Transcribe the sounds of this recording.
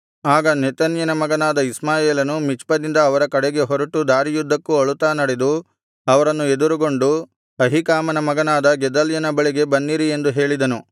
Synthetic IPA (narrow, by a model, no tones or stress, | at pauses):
aːɡɐnet̪ɐnjɐnɐmɐɡɐnaːd̪ɐismaːjeːlɐnumit͡ʃpɐd̪ind̪ɐːʋɐɾɐkɐɽeɡe̞ɦɔɾɐʈud̪aːɾijud̪ʱːɐkːuɐɭut̪aːnɐɽed̪u | ɐʋɐɾɐnːued̪uɾuɡo̞ɳɖu | ɐɦikaːmɐnɐmɐɡɐnaːd̪ɐɡɛd̪ɐljɐnɐbɐɭiɡe̞bɐnːiɾie̞nd̪uɦe̞ːɭid̪ɐnu